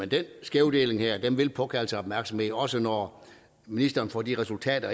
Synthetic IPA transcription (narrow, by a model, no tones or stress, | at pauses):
end̥ensɡ̥eʊd̥e̝̰ːle̝ŋheɐ̰d̥enʋe̝lpʰɒ̽kʰæl̩səɒb̥mæɐɡ̥sɒ̽mhe̝ðɒ̽sənɒ | minisd̥ɐːn̩fɒ̰ːd̥iʁɛsult͡sʰɛ̰ːd̥ɐ